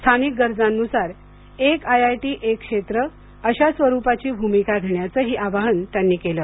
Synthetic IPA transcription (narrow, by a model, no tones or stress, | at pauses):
st̪ʰanik̚ɡəɾd͡zanːusaɾ | ekajajʈiːʔekʂet̪ɾə | əɕasʋəɾupat͡ɕiːbʱumikaɡʱeɳjat͡səɦiːʔaʋaɦənt̪janːiːkeləː